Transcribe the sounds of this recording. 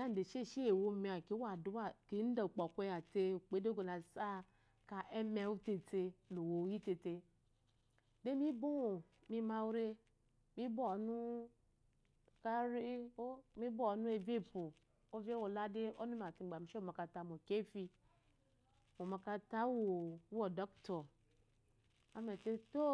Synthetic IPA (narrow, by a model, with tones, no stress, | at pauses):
da˦n̩˨de˨ʃe˦˨ʃi˦e˨wo˦˨me˨a˨ki˨˦wa˨du˦wa˦ki˨˦n̩˦da˨k͡pɔ˨kʷe˦ja˨te˦u˨k͡pe˦de˦ɡo˨la˨sa˦ | ka˨ʔɛ˦me˨˦u˦te˨te˦lo˨wo˨ji˦te˨te˦ | de˦mi˦bo˦o˨ | mi˦ma˦wu˦ɾe˦ | mi˦bo˦˨nu˦ | ka˦ɾe˦o˦mĩ˦bo˦ɔ˨nũ˦e˨ve˦˨po˨ | o˦ve˦wo˨la˦de˦o˦nu˦a˨ti˨ɡ͡ba˨m˨˦ʃe˦o˨ma˨ka˨ta˦mo˨ke˦fi˦ | mo˨ma˨ka˦ta˦wo˨wɔ˨dɔ˦ktɔ˨ | a˦me˨te˦to˦